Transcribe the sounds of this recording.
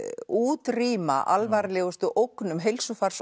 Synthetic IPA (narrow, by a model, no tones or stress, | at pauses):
uːt̪riːma̰ʔalvaɾlɛːɣʏst̪ʏʔowknʏmɦejlsʏfaɾ̥s